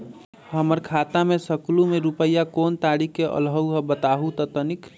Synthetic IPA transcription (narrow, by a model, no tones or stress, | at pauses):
ɦəməɾkʰat̪amesəklumeɾupəjakoːnt̪aɽikeʔə̰lɦəwɦəbət̪aɦut̪ət̪ənik